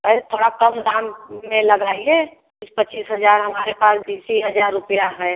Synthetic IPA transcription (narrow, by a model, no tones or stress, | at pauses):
pɛset̪ʰoːɽakəmd̪aːmːẽləɡaːie | ɪspət͡ʃːiːsɦəd͡ʒaːɾɦəmaːɾepaːsbiːsiɦəd͡ʒaːɾːʊpijaɦɛː